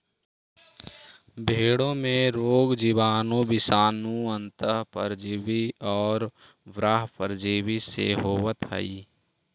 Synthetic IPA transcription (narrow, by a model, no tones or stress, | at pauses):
bʱeːɽõmẽɾoːɡd͡ʒiʋaːnõbɪsaːnũə̃nt̪əɦpə̰ɾd͡ʒiːʋiɔːɾ | ʋɾaːɦpəɾd͡ʒiːʋisḛɦoːʋət̪ɦə̰i